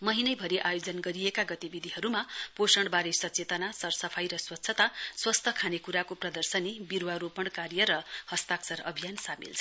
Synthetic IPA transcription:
mʌɦinʌjbʱʌɾiʔajod͡zʌnɡʌɾijekaɡʌt̪ibid̪ʱiɦʌɾumaposʌɳɽbaɾesʌtt͡set̪ʌnasʌrsʌpʰajɾʌswʌtːsʰʌt̪aswʌst̪ʰʌkʰanekuɾakoprʌd̪ʌrsʌnibiɾwaɾopʌɳkaɾjʌɾʌhʌst̪aksʌɾʌ̰bʱijansamḭlt͡sʰʌ

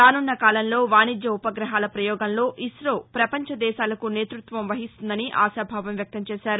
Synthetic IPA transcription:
ɾaːnunːɐkaːlɐnlo̞ːʋaːnid͡ʒ̪jɐupɐɡɾɐɦaːlɐpɾɐjɔːɡɐnlo̞ːʔisɾoːpɾɐpɐɲt͡ʃɐd̪ɛːʃaːlɐkune̞ːt̪ɾut̪ʋɐmʋɐɦist̪und̪ɐniʔa̰ːʃaːbʱaːʋɐmʋjɐk̚t̪ɐmt͡ʃɛːʃaːɾu

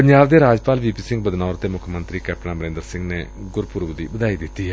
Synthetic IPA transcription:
pəɲd͡ʒaːbd̪eːɾaːd͡ʒpaːlʋiːpiːsɪ̃ŋɡ̚bəd̪naːɾt̪eːmʊkʰmə̃nt̪ɾiːkɛːp̚ʈɳãːbəɾẽːnd̪əɾsɪ̃ŋɡneː | ɡʊɾpʊːɾʋd̪iːbəd̪aːid̪ɪt̪ːiː

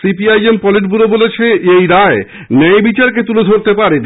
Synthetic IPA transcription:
sipiajempɔliʈbuɾobolet͡ɕʰeʔejɾae | nɛjbit͡ɕaɾk̬et̪uled̪ʱoɾt̪epaɾed

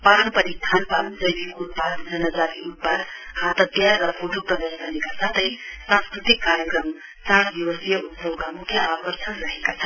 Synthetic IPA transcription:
panpʌɾist̪ʰanpamd͡zʌjbikut̪̚pad̪d͡zʌnʌd͡zat̪iut̪̚pad̪hat̪ʌt̪jarʌpʰoʈʰupʌd̪esd̪ʌnekasat̪ʌjsãnskrut̪ikːaɾjʌkrʌm | t͡saɽd̪iwʌsijʌut̪sʌbkamukʰːjʌakʌrsʰənrʌɦekat͡sʰʌn

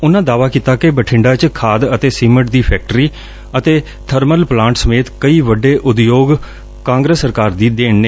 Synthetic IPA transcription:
ʊnãːd̪aːʋaːkiːt̪aːkɪbəʈʰɪ̃ɳɖaːt͡ʃkʰaːd̪ət̪eːsiːməʈ̚d̪iːpʰɛːk̚ʈɾiː | ət̪eː | t̪ʰəɾməlplãːɳʈsəmeːt̪kəiːʋəɖeːʔʊd̪joːɡ | kãːŋɡɾəsːəɾkaːɾd̪iːd̪eːɳneː

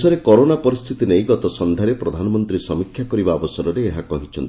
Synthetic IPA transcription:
sɔɾekɔɾonapɔɾist̪ʰit̪inejɡɔt̪ɔsɔnd̪ʱaɾepɾɔd̪ʱanɔmɔnt̪ɾisɔmikʰːjakɔɾibaːbɔsɔɾɔɾeːɦakɔɦit͡ʃʰɔnt̪i

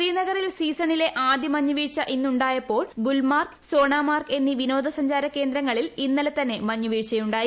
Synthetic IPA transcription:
riːnɐɡɐrilsiːsɐɳile̞ʔaːd̪jimɐɲːuʋiːʈt͡ɕɐʔinːuɳɖaːjɐpːo̞ːɭɡulmaːrkso̞ːɳaːmaːrke̞nːiʋino̞ːd̪ʱɐsɐɲd͡ʑaːɾɐkːe̞ːnd̪ɾɐŋːɐɭilinːɐlet̪ɐnːe̞mɐɲːuʋiːʈɕɐjuɳɖaːji

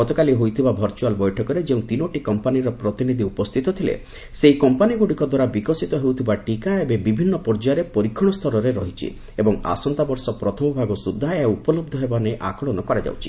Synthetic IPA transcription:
ɡɔt̪ɔkaliɦojt̪ʰibabʱɐɾt͡ʃualbɔjʈʰɔkɔɾed͡ʒeũt̪inoʈikɔmpaniɾɔpɾɔt̪inid̪ʱiupɔst̪ʰit̪ɔt̪ʰilḛ | seikɔmpaniɡuɽikɔd̪waɾabikɔsit̪ɔɦewt̪ʰibaʈikaebebibʱinːɔpɔɾd͡ʒaɾepɔɾikʰːɔɽ̃ɔst̪ʰɔɾɔɾeɾɔɦit͡ʃʰḭ | ebɔŋa̰sɔnt̪abɔɾsɔpɾɔt̪ʰɔmɔbʱaɡɔsud̪ʱːaupɔlɔb̚d̪ʱɔɦebaneʔakɔɭɔnɔkɔɾad͡ʒa̰wt͡ʃʰi̥

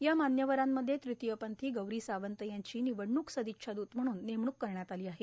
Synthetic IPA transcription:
jamanjəʋəɾamːəd̪ʱːjet̪ɾit̪jəpənt̪ʰiːɡəwɾiːsaʋənt̪əjaɲt͡ɕiːniʋəɽɳuːksəd̪ikɕʰad̪uːt̪m̤əɽ̃uːnːemɳuːkːəɾɳjat̪aliːaɦe

